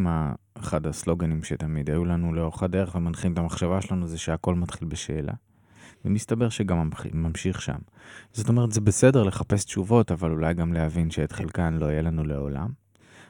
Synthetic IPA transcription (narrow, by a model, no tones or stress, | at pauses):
ma | eχadhaslo̞ɡanimʃetamidajulanuleoχadeeχvemanχimet̪amaχʃavaʃelanuzeʃeako̞lmatχilbeʃeːlʔa̰ | vemist̪abe̞ʁʃeɡam̰ːamʃiχʃa̰m | z̥o̞to̞me̞ʁtzebesede̞ʁle̞χape̞stt͡ʃuvo̞tavalulajɡamlehavinʃeet̪χelkanlo̞ijelanule̞o̞̰la̰m